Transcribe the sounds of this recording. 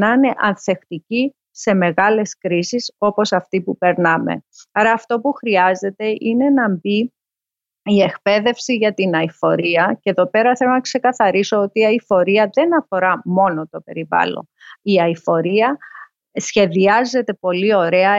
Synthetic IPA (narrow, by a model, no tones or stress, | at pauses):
nɐne̞ʔɐnθe̞xt̪ici | se̞me̞ɣɐle̞skɾisiso̞po̞sɐft̪ipupe̞ɾnɐme̞̰ɐɾɐːft̪o̞puxɾiɐze̞t̪e̞ʔine̞nɐmbi | ie̞kpe̞ðe̞fsiʝɐt̪inɐifo̞ɾiɐceðo̞pe̞ɾɐθe̞lo̞nɐkse̞kɐθɐɾiso̞ot̪iːɐifo̞ɾiɐðe̞nɐfo̞ɾɐmo̞no̞t̪o̞pe̞ɾivɐ̰lo̞̰niɐifo̞ɾiɐ | sçe̞ðiɐze̞t̪e̞po̞lio̞ɾe̞ɐ